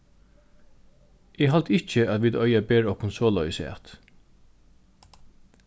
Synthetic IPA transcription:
ɛɡɦalt̪ʰɪt͡ʃəæt̪ʋiːd̪œʏabeːɹɔkʊnsɔːlœʏəsɛa̰t̪

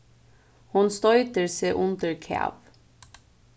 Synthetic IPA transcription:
hʊnst̪ɔʏt̪əɹseːʔʊnd̪əɹkʰæ̰ːʋ

